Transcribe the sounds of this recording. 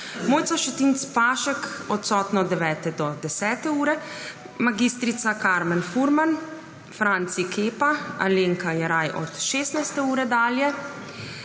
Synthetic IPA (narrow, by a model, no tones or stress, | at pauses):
moːjt̪saʃɛt̪int̪spaːʃɛkɔt̪sɔːt̪nɔd̪ɛʋɛːt̪ɛd̪ɔd̪ɛsɛːt̪ɛuːɾɛ | maɡist̪ɾit̪sakaːɾmɛnfuɾman | fɾant̪sikʰeːpaa̰leːŋkajɛɾajʔɔ̰t̪ʃeːst̪najst̪ɛuːɾɛd̪aːljɛ